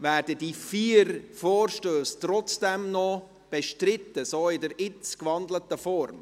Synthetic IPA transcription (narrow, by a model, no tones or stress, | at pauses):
væːɾdədifiːɾfoːrʃtøːst̪rɔt͡sd̥ɛmnɔ | b̥ɛʃtɾɪt̪ːəsoːɪdəɾɪt͡skvɑndlətəfɔrm